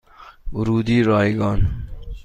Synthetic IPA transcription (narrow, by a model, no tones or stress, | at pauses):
ʊɾuːd̪iːɾɑːjɡɑːn